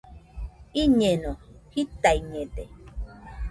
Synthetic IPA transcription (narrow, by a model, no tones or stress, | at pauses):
iɲẽnõhit̪aiɲẽd̪e